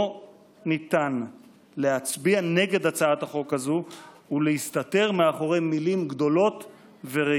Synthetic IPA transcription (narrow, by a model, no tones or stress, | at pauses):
nit̪an | leɦat͡sbiane̞ɡe̞dat͡saat̪haχo̞kazu | uleist̪at̪e̞ʁmeaχo̞ʁemilimɡd̪o̞lo̞t̪ | veʁe